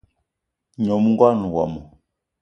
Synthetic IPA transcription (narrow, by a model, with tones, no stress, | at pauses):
ɲɔ˨mu˦ŋɡwa˦˨nu˨wa̰˨mɔ˨